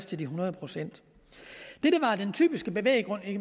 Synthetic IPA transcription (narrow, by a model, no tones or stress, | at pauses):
st͡sʰe̝ldiɦunɐð̞ˠəpʰʁo̝sen̰d̥ | d̥eɾəʋɑ̈d̥ent͡sʰy̰ːb̥isɡ̥əb̥e̝ʋḛːɪɡ̥ʁɔ̽n̰e̥